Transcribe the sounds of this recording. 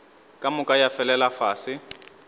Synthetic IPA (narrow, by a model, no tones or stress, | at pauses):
kʼamʊkʼajafɛlɛlafaːsɪ